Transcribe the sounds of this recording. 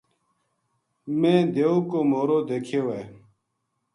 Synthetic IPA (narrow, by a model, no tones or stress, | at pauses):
mẽːd̪eːũːkoːmoːɾoːd̪eːkʰeːweː